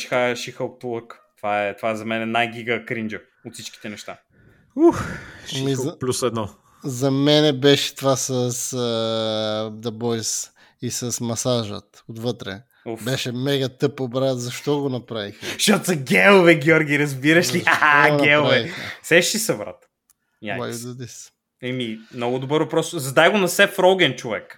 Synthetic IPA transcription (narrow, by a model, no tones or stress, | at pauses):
ʃi̥xaʃixəlt̪ulˠəkt̪ovaɛt̪ovaɛzɐmɛnɛnajɡiɡəkɾind͡ʒə | ot̪sit͡ʃkʲi̥t̪ɛnɛʃt̪a | uxmiplʲusɛd̪nɔ | zɐmɛnɛbɛʃɛ̥t̪ovasəsə | d̪ɐbɔjs | isəsmɐsaʒə̰t̪ot̪vɤt̪ɾɛ̰ | ubɛʃɛmɛɡət̪ɤpobɾazɐʃt̪ɔɡonɐpɾavixʃat̪zɐɡʲɛlˠʊvɛɡiɔɾɡʲiɾɐzbiɾɐʃliaaɡnɐɛlˠpoɾavɛixɐsɛʃt̪isɐvɾa̰t̪ | awajud̪ɐd̪is | ɛmimnɔɡʊd̪obɤɾvɐpɾɔszɐd̪ajɡoʊnɐsɛfɾɔɡɛnt͡ʃovɛ̰k